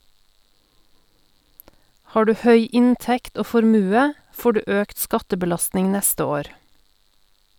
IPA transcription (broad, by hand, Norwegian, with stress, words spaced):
ˈhɑː ˈdʉː ˈhœʏ ˈɪnˌtɛkt ˈoː fɔɾˈmʉːə ˈfoː ˈɖʉː ˈʔøːkt ˈskɑtəbəˌlɑstnɪŋ ˈnɛstə ˈoːɾ